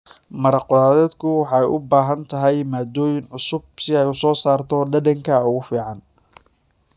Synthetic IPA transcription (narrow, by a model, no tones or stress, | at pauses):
mɐɾɑqɔlaːðɛːd̪kʰʊwɑħɑjʔʊbaːɦɐnt̪ʰɐɦɛjmaːd̪ɔːjɪnʕʊsʊb̚sɪɛjʊsɔːsaːrt̪ʰɔɖɐdɐŋkʰɐʊɣʊfiːʕɑn